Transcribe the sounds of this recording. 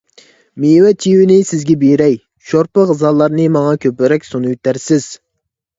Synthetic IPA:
mewɛt̪ʲʰiwɪnɪsɪzɡʲɛbeɾɛj | ʃoɾpəqzɑlˠːɑɾnɨmɑŋɑkʲʰøpɪɾɛkʲsonujt̪æɾsɪz̥

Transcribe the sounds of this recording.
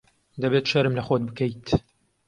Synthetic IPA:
d̪ɐbet̪ʃɐɾɨmlɐχot̪̚bɨkɐjt̪

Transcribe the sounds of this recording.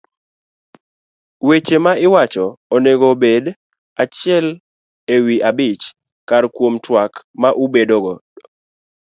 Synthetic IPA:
wet͡ʃemaɪwat͡ʃɔːneɡobed | at͡ʃɪɛl | ewiʔabɪt͡ʃ | karkwomtwak | maʔubedoɡɔ

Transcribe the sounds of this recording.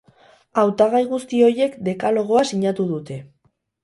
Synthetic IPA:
awt̪aɣ̞ajɣust̪io̞je̞kd̪e̞kalo̞ɣ̞o̞asiɲat̪uð̞ut̪e̞

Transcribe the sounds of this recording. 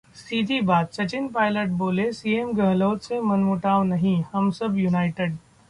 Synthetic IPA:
siːd̪ʱibaːd̪̚t͡ʃɐt͡ʃɪnpaːɪləʈ̚boːlesiːemɡʱəɦloːt̪semɐnmʊʈaːʋnɐɦĩhɐmsəbjunaːɪʈeɖ

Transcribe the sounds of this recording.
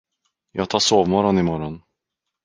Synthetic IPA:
jɑːɡt̪ʰɑːʂoːvmɔɾɔnɪmɔɾɔn

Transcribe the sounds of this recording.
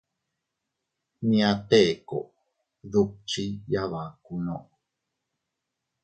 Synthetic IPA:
mĩat̪eko | ðup̚t͡ʃijaβakuno

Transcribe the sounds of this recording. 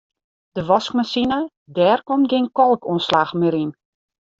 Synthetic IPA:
d̥əʋɔskmasinə | dɛːrkɔmtɡenkɔlˠkʰuənslaxmɪɾin

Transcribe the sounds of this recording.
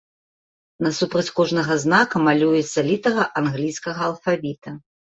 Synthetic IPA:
nɐsupɾɐt͡sʲkɔʐnɐɣɐznakɐmalʲujɛt̪sːɐlʲit̪ɐɣɐʔanɣlʲijskɐɣɐːlˠfavʲit̪ɐ

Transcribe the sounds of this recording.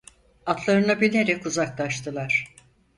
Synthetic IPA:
at̪ʰlˠaɾɯnabilʲe̞ɾɛkuzaklˠaʃt̪ʰɯlˠaɾ̥

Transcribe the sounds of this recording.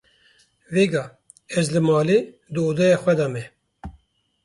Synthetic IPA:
veːɡɑː | ɛzlɨmɑːleː | d̪ɨoːd̪ɛjɑːxʷɛd̪ɑmɛ

